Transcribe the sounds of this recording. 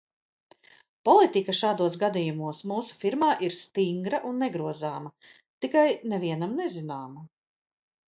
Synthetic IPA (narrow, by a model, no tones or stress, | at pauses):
pɔlˠit̪ikɐʃaːd̪uɔs̬ɡad̪ijumuɔsmuːsu̥fiɾmaːʔiɾst̪iŋɡɾɐʔunːɛɡɾuɔzaːmɐ | t̪ikajnɛviɛnamnɛzinaːma